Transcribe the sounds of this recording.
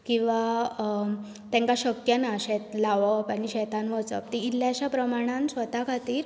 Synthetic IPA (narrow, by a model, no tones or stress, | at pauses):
kĩw̃ʋa | t̪ɛ̃ŋkaɕəkjənaɕet̪laʋəpaɽ̃iɕɛt̪anʋət͡sə̰p̚t̪iːlːjaɕapɾəmaɽ̃ãnsʋət̪akʰat̪iːɾ